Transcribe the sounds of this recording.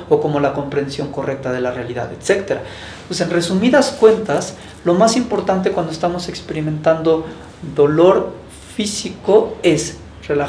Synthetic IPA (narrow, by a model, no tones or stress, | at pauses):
oko̞mo̞lako̞mpɾe̞nsjo̞ŋko̞re̞k̚t̪aðe̞larealiða̰ðet̪se̞kt̪eɾa | pwese̞nre̞sumiðaskwe̞nt̪as | lo̞masimpo̞ɾt̪ant̪̬ekwand̪oest̪amo̞se̞kspe̞ɾimẽ̞nt̪and̪o̞ | ðo̞lo̞ɾ | fisiko̞e̞s | re̞la